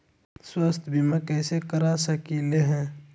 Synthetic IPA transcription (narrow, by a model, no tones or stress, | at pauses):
swəst̪ʰbʱimakɛːsekəɾasəkileɦɛ̃ː